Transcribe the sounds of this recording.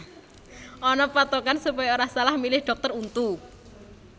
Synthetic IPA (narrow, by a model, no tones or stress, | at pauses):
ʔɔnɔpat̪okansupajaoɾahsalahmilɪhɖ̥ɔk̚t̪ərunt̪u